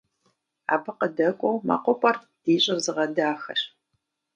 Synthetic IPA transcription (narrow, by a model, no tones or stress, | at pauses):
a̰ːpʰɨqədɐkʷʼɔwmɐ̰qʷɔpʷʼɐr | d̥iːɕʼɪrzɨʁɐdaːxɐ̰ɕ